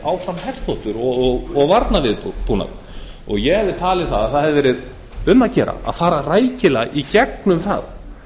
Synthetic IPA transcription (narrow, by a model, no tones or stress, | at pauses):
awfɾanhɛr̥t̪θfɔht̪ʏɾɔɣɣɔɣvaɾt̪navɪðpuːna̰ð | ɔɣjɛɣhɛvðɪt̪ʰaːlɪθaðaðθaðɦhɛvðɪvɛːɾɪð | ʏmaðcɛːɾa̰a̰ðfaːɾaraːjcɪlaɣicɛk̚nʏmθa̰ð